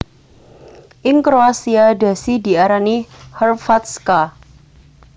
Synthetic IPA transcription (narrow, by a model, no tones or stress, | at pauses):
ʔɪŋkɾoasiada̤sidi̤aɾanihərfat̪ska